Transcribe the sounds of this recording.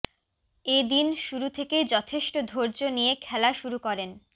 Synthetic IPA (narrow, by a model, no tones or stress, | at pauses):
ed̪inʃuɾut̪ʰeked͡ʑɔt̪ʰeʃʈod̪ʱoɾd͡ʑonijekʰɛlaʃuɾukɔɾen